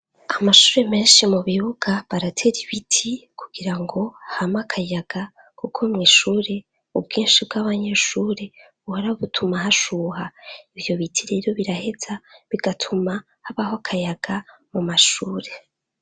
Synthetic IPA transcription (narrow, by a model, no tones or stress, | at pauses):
amaʃuːɾe̞me̞ːnʃimuβiβuɡaβaɾatʰe̞ɾiβitʰikʰuɡ̥iɾaŋɡo̞hamakʰajaɡ̥a | kʰukʰomŋiːʃuːɾe̞ | ubɡiːnʃibɡaβaɲe̞ʃuːɾe̞βuhoɾaoβutʰumaɦaʃuːhaivjo̞βitʰiɾe̞ːɾo̞βiɾahe̞z̥aβiɡatʰuma | haβaɦokʰajaɡ̥amumaʃuːɾe̞